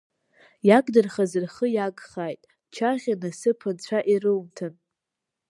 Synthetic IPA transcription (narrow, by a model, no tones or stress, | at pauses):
jaɡʼdɨrχazɨrχəjaɡχaːjtʼ | t͡ʃʰaʁʲanɨsɨpʰɨnt͡ɕʷʰaʔirɨwmtʰɨn